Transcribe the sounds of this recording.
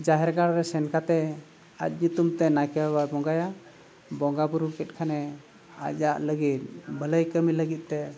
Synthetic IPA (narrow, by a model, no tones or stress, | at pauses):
d͡ʒaɦɛɾɡaɽɾɛsɛnkat̪ɛ | a̰t̪̚ˀɲut̪umt̪ɛnajkɛababɔŋɡaja | bɔŋɡabuɾukɛt̪̚kʰanɛ | a̰aʔləɡit̪̚bʱələjkəmiləɡit̪̚t̪ɛ